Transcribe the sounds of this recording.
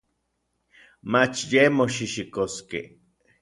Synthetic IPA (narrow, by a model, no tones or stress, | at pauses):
mat͡ʃjemoʃiʃikoskḛ